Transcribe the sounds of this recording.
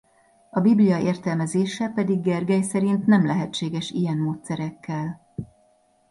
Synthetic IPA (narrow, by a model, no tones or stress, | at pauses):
ɒbiblijɒeːrt̪ɛlmɛzeːʃɛpɛd̪iɡːɛrɡɛjsɛɾint̪nɛmlɛɦɛtt͡ʃeːɡɛʃijɛnmoːt̪sɛɾɛkːɛl